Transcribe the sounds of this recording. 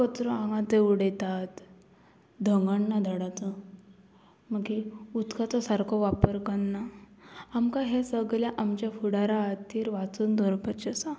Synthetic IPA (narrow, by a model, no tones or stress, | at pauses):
kɔt̪ɾɔãŋɡãt̪euɽejt̪at̪ | d̪ʱəŋɡəɳːad̪ʱəɽat͡sə | məkiut̪kʰat͡sɔsaɾkʰɔʋapəɾkəɳːa | amkaɦesəɡljaʔamt͡ɕjafuɽaɾat̪ːiːɾʋat͡suːnd̪ʱɔɾpət͡ɕəsa